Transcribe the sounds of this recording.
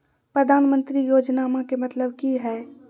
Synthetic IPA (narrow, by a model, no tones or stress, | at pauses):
pɾəd̪ʱaːnmə̃nt̪ɾijoːd͡ʒnaːmakemət̪ləbkiɦɛ